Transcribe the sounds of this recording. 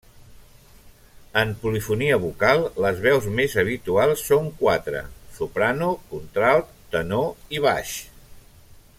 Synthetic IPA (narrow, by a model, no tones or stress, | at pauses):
əmpulifuniəβukalˠləzβɛwzmezəβ̞it̪ualˠsːoŋkwat̪ɾə̰supɾanukunt̪ɾalt̪t̪ənoiβ̞a̰ʃ